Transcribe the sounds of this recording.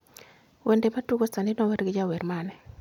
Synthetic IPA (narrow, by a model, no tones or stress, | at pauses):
wʔendematuɡostanɪnɔweɾɡɪd͡ʒaweɾmanɛ